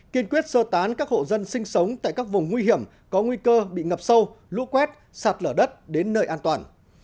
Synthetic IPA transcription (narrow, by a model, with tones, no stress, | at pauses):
ki˧ənkwi˦˥ət̚səː˧t̪aː˨˦nkaː˦˥k̚ho̰˧˨zə˧nsï˧ŋ̟sə˨˦wŋ͡mt̪a̰ː˧˨jkaː˦˥k̚vʊ˨˩ŋ͡mŋwi˧ɦi˧˩əm | kɔ˨˦ŋwi˧kəː˧ɓḭ˧˨ŋə˨˩p̚sə˧w | lṵ˧˥kwɛ˦˥t̚ | saː˨˩t̚ləː˧˩ɗə˦˥t̚ɗe˨˦nːəː˧jʔaː˧nt̪waː˨˩n